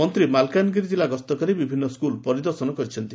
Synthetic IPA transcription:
ɔnt̪ɾimalkanɡiɾid͡ʒilaɡɔst̪ɔkɔɾibibʱinːɔskulpɔɾid̪ɔɾsɔnɔkɔɾit͡ʃʰɔnt̪i

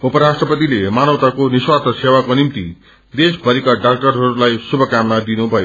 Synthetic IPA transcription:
upʌɾasʈrʌpʌt̪ilemanʌwt̪akoniswat̪ʌsewakonimt̪i | d̪esbʱʌɾikaɖak̚ʈʌrɦʌɾulajsubʱʌkamːad̪inubʱʌjo

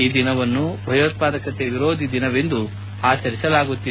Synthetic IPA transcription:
iːd̪inɐʋɐnːubʱɐjɐʋɐt̪̚paːd̪ɐkɐt̪eʋiɾoːd̪ʱid̪inɐʋe̞nd̪u | aːt͡ʃɐɾisɐlaːɡut̪ːi

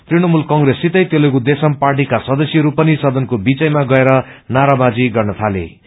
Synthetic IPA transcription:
t̪riɽ̃ʌmulkʌŋɡresːit̪ʌjt̪elʌkud̪esʌmparʈ̬ikasʌd̪ʌsjiɾupʌnisʌd̪ʌnkobit͡sʌjmaɡʌeɾʌnaɾabad͡ziɡʌrnʌt̪ʰalḛ

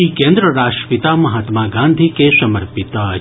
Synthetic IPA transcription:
ikẽnd̪ɾəɾaːʂʈɾəpit̪amɐɦaːt̪maɡãnd̪ʱikesɐməɾpit̪a

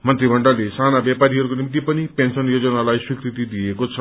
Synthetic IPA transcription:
mʌnt̪ɾibʱʌɳɖalesanabjapaɾiɦʌɾukonimit̪̬ipʌnipensʌnjod͡zʌnalajswikɾit̪id̪ijekot͡sʰʌ

